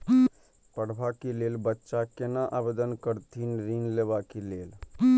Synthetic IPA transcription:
pəɽ̤bakelelbətːʃakenaʔabed̪ənkəɾt̪ʰinɾinlebakeleːl

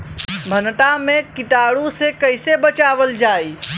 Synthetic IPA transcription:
bʱɐnʈamẽkɪʈaːɽũsekɐɪsebət͡ʃaːʋəld͡ʒaːiː

